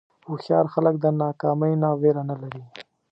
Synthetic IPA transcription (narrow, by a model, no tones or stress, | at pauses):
uxjɑɾxalək̚d̪ənɑkɑːməjnɑweɾanalaɾi